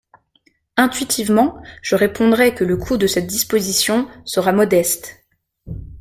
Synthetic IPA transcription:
ɛ̃t̪ɥit̪ʰivmɑ̃ʒ̥əʁepɔ̃d̪ʁɛkələkʰud̪əsɛt̪̚d̪ispozisjɔ̃səʁamɔd̪ɛst̪

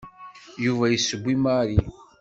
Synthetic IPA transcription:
juvæjisːəɡʷːimaɾi

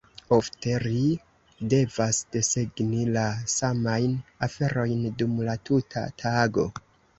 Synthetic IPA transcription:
o̞fte̞ɾi | de̞vasd̥e̞se̞ɡnilasamajnafe̞ɾo̞jndumlatʰutʰa̰tʰaɡo̞

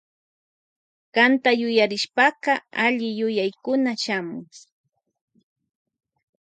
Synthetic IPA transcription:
kant̪ajʊjaɾɪʃpɑqɑaʎɪjʊjajkʊnaʃamʊŋ

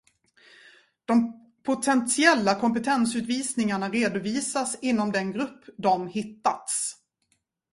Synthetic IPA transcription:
d̪̥ɔm | pʰʊt̪ʰɛnsɪɛlːakʰɔmpət̪ʰɛnsʉ̟ːt̪viːsnɪŋaɳaɾeːd̪ʊviːsasɪnːɔmd̪ɛnɡɾɵpːd̪ɔmhɪt̪ːat̪s

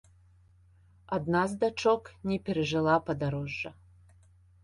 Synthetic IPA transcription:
ad̪nazd̪at͡ʂɔknʲɛpʲɛɾɛʐɨlˠapɐd̪aɾɔʐːɐ

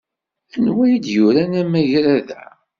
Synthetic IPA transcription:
ænwæjid̪jʊɾænæmæjɾæðæ̰

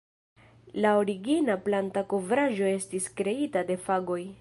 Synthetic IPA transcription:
lao̞ɾiɡinaplantako̞vɾaʒo̞e̞stiskɾe̞itade̞faɡo̞j

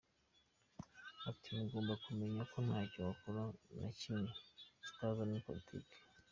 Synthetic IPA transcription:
atʰimuɡoːmbakume̞ɲakʰon̥hacowakuɾana̰cimesi̥kazanipo̰litʰḭke̥

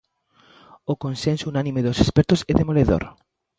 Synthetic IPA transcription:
ʊkonsensounanĩmeðosespɛɾt̪ʊsɛðemoleðo̰ɾ

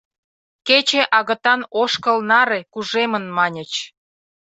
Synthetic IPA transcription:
ket͡ɕeʔɑɣə̆t̪ɑnoʃkəlnɑɾekuʒemə̆nmɑnʲə̆t͡ɕ

